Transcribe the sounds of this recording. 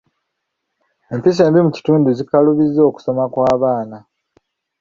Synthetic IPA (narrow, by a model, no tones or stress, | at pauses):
e̞mpis̬e̞ːmbimuci̥tuːnduzikaluβizːo̞ːku̥so̞makwaːβaːna